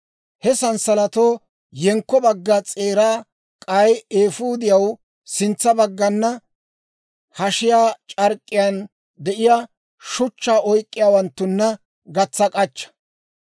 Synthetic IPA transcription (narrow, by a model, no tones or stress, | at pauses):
hɛsɐnsɐlɐt̪oː | jɛŋkːɔbɐɡːɐt͡sʼe̞ːɾaː | kʼɐjeːfuːd̪ɪjɐw | sɪnt͡sːɐbɐɡːɐnːɐ | hɐʃɪjaːt͡ʃʼɐɾkʼːɪjan | d̪ɛʔɪja | ʃʊt͡ʃːaːʔɔjkʼːɪjaːwɐnt̪ːʊnːɐ | ɡɐt͡sːɐkʼɐt͡ʃːɐ̥